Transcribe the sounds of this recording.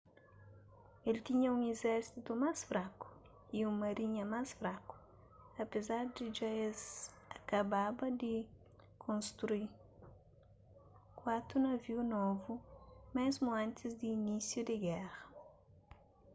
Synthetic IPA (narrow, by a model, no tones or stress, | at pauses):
elt̪iɲɐũŋezɛɾsit̪umasfɾakʊ̥ | iũŋmɐɾiɲɐmasfɾakʊ̥ | ɐpezaɾd̪ɪd͡ʒaez | akababɐd̪ɪ | kʰõnst̪ɾui | kwat̪ɾunɐviunɔvumɛzmʊãnt̪ɪzd̪iːnisjud̪ɪɡɛʁɐ